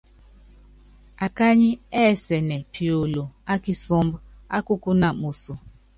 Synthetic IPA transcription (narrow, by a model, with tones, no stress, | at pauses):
a˨ka˦ɲi˦ɛ˦˨sɛ˨nɛ˨pi˨o˨lo˨a˦ki˦sɔ˦m˦bʊ˦a˦kʊ˦ku˦na˨mo˨so˨